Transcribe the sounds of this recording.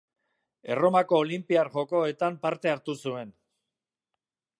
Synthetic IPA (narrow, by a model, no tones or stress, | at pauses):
e̞̰ro̞mako̞ːlimpiaɾʝo̞ko̞e̞t̪ampaɾt̪e̞aɾt̪usue̞n